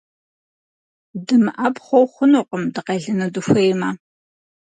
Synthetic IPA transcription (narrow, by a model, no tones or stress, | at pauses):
dɨmɨʔɐpχʷɔwχʷʊnoːqəmdɨqeɮɨnɐdɨxʷejmaː